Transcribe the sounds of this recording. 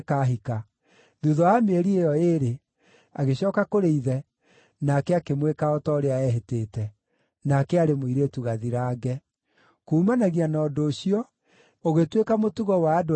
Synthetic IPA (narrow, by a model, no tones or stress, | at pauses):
kaɦika | ðuðɔameɾiejɔeɾe | aɣeɕɔːkakoɾeiðɛ | nakɛakemwekaɔtɔɾeaɛɦeteːtɛ | nakɛaɾemoiɾetuɣaðiɾaːɡɛ | kuːmanaɣianɔːdoːɕiɔ | oɣetwekamotuɣɔwaːdo